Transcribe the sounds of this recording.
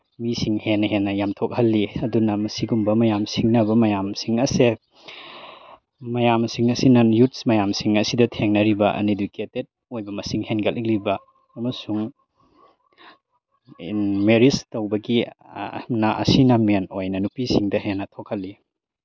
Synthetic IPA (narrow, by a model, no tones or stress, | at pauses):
misiŋhenːɐhenːɐjamtʰok̚hɐlːiɐdunɐmɐsiɡumbɐmɐjamsiŋnɐbɐmɐjamsiŋɐse | mɐjamsiŋɐsinɐnjut̚smɐjamsiŋɐsidɐtʰeŋnɐɾibɐʔɐ̰niduketet̚ojbɐmɐsiŋhenɡɐlik̚libɐː | mɐsuŋ | meɾistɐwbɐɡḭ | mnɐʔɐ̰sinɐmenojnɐnupisiŋdɐɦenːɐtʰok̚hɐlːi